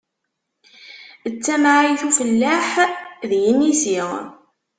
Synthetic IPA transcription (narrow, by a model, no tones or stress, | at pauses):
ət͡sːæmʕiθufəlːaħðjinisi